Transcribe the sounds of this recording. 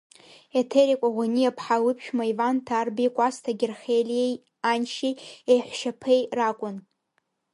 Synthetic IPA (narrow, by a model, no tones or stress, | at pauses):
etʰeɾikʷʼaʁʷanijapʰħawɨpʰʃᶣmajvantʰarbijkʷʼastʰaɡʲerχʲelijej | anʃiejħʷʃapʰejrakʷʼʊn